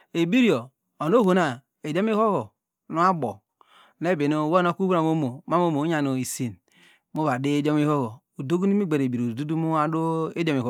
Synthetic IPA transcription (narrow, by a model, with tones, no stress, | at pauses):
e˨bi˦ɾi˦o˨ | o˨no˦ɦo˨na˨ | e˨d͡ʒo˦m˦i˦ho˦ɣo˨ | nu˦a˦ɡ͡bo̰˨ | ne˦˨be˨no˦˨wo˦no˦˨ku˦bu˦ɾa˨m˦o˦mo˨ma˦m˦o˦mo˨˦a˨no˨i˨si˨n | mo˦βa˨de˦d͡ʒo˦mi˦ho˦ɣo˨ | o˨do˦ɡu˦ni˦me˦ɡ͡be˨ɾe˨bi˨ɾo˨du˦du˦mu˦a˦do˦e˦d͡ʒo˦mi˨ɦo˦